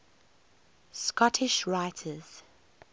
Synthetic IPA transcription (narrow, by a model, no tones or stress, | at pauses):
skɔtʰɪʃɹaɪtʰəz̥